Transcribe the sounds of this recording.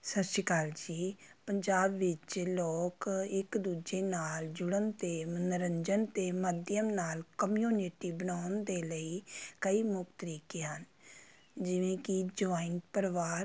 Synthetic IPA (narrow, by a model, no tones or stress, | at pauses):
səʃɪkaːld͡ʒiːpəɲd͡ʒaːbʋɪt͡ʃloːkɪkd̪uːd͡ʒeːnaːld͡ʒʊɽənt̪eːmnəɾəɲd͡ʒənt̪eːməd̪jəmnaːlkəmjuːnɪʈiːbənaːʊnd̪eːləiːkəiːmʊkt̪əɾiːkeɦən | d͡ʒɪʋẽːkɪd͡ʒʊaːɪnpəɾʋaːɾ